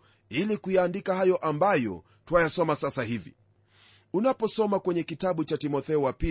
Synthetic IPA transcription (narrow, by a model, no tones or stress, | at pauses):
ilikujaːndikaɦajɔʔambajɔ̰ | twajasɔmasasahivḭ | unapɔsɔmakwɛɲɛkitaɓut͡ʃatimɔθɛɔwapi